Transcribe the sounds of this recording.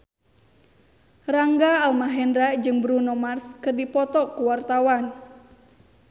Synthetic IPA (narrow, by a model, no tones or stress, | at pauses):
raŋɡaːlmaɦɛnɾaʔd͡ʒɨŋbɾunɔmarskɨrdipɔt̪ɔkuwart̪awan